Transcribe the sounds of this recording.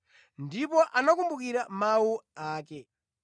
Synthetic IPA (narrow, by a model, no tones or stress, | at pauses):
ndipɔʔanakumbukiɾamawuaːkɛ